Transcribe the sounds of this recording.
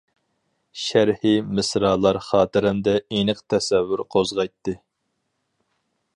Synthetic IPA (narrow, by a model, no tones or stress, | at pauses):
ʃæɾhimɨsɾɑːlˠɑɾχɑːt̪ɨɾɪmd̪ɛenɨqt̪ʰɛsɛvːyɾqʰozʁɑjt̪ːɨ